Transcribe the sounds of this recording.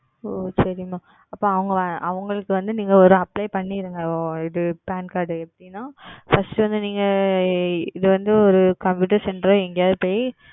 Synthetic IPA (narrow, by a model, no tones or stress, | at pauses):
oːsɐɾɪmaː | ɐpːoːɐʋɐŋɡɐʔɐʋɐŋɡɐɭɯkːɯʋɐnd̪ɯniːŋɡɐɔɾɯɐpːlɐɪpɐɳːɪɾɯŋɡɐɪðɯpaːnkaːɾɖɯɛpːɐɽɪnːãːfɐsʈɯʋɐnd̪ɯniːŋɡɐ | ɪðɯʋɐnd̪ɯɔɾɯkɐmpjuːʈ̬ɐɾsɛɳɖɾõɛŋɡɐjaːðɐpoːji